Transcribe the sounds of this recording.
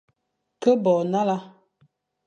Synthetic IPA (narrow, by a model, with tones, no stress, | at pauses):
kə˦bɔ˨na˦la˦